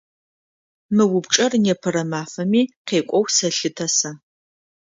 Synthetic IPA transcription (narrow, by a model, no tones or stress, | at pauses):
mɨwʊbʈ͡ʂʼɐrnɛpʰɐɾɐmaːfɐmiːqeːkʷʼɔwsɐɬɨtʰɐsɐ